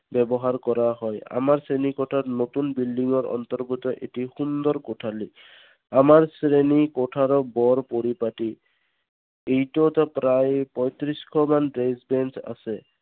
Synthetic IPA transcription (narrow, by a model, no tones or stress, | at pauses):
bɛbɔɦaɹkɔɹaɦɔja̰maɹsɹenikɔtʰatnot̪unbildiŋɔɹɔ̰nt̪ɔɹbut̪ɔʔḛtixund̪ɔɹkotʰali | amaɹsɹenikɔtʰaɹɔbɔɹpoɹipati | ejtɔtɔpɾajpɔjt̪ɾiskʰɔmandɹesbɛnsa̰sɛ